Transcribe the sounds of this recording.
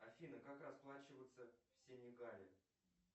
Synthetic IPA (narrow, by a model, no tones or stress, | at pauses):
ɐfʲinəkakrɐsplˠat͡ɕɪvət̪səfsʲenʲɪɡalʲɪ̰